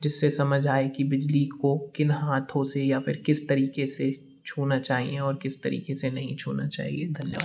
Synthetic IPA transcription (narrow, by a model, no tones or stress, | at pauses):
d͡ʒɪsːesɐməd͡ʒʱaːekibɪd͡ʒlikokɪnɦaːt̪ʰõsejafɪɾkɪst̪ɐɾiːkese | t͡ʃʰuːnat͡ʃaːɦḭẽɔːɾkɪst̪ɐɾḭːkesenɐɦĩt͡ʃʰṵːnat͡ʃa̰ːɦḭed̪ʱɐljʋaaː